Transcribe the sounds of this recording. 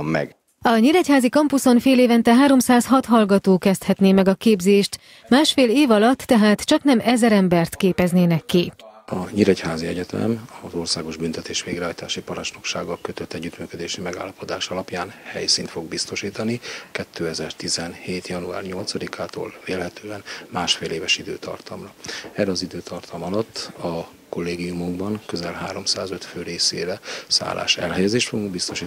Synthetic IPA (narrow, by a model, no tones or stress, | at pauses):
ɛ̰ɡ | ɒɲiɾɛchaːzikɒmpuso̞nfeːleːvɛnt̪ɛɦaːɾo̞msaːsɦɒt̪ɦɒlɡɒt̪oːkɛst̪hɛt̪neːmɛɡɒkeːbzeːʃt̪ | maːʃfeːleːvɒlɒt̪ːɛɦaːt̪t͡ʃɒknɛmɛzɛɾɛmbɛrt̪keːpɛzneːnɛkːiɒɲiɾɛchaːziɛɟɛt̪ɛ̰mɒzo̞rsaːɡo̞ʒbynt̪ɛt̪eːʃʋeːɡɾɛɦɒjt̪aːʃipɒɾɒt͡ʃnokʃa̰ːɡɒlkøt̪øt̪ːɛɟːyt̪myːkød̪eːʃimɛɡa̰ːlːɒpo̞d̪aːʃɒlɒpjaːnhɛ̰jsiːnt̪fo̞ɡ̚bist̪o̞ʃiːt̪ɒnikɛt̪ʰːøːɛzɛrt̪izɛnheːt̪jɒnua̰ːrɲo̞lt̪sɒd̪ikʰaːt̪o̰ːlveːlhɛt̪øːɛnmaːʃfeːleːvɛʃid̪ø̰ːt̪ʰɒ̰rt̪ɒmrɒɛrːɛɒzid̪øːt̪ʰɒrt̪ʰɒmɒlɒt̪ːɒ | ko̞lːeːɡijumuŋɡbɒŋkøzɛlɦaːɾo̞msaːzøt̪føːɾeːsḛːɾɛsa̰ːla̰ːʃɛ̰lɦɛjɛzeːʃt̪foɡuŋɡbist̪o̞ʃiː